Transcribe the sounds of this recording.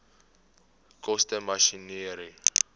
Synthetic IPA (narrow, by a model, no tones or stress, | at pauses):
kʼostɛmaʃiniɾi